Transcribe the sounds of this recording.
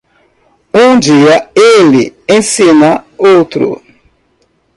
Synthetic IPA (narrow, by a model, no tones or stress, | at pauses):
ũd͡ʒiɐelɪẽsĩnaowt̪ɾʊ̰